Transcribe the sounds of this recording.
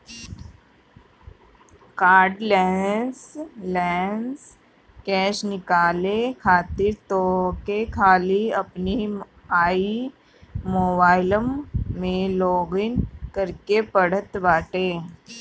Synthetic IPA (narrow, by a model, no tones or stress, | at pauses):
kaːɾɖlɛːnslɛːns | kɛːʃnɪkaːlekʰaːt̪ɪɾt̪oːkekʰaːliɐpni | aːi | moːbaːɪləmːẽlɔːɡɪnkɐɾkepɐɽ̤ət̪baːʈeː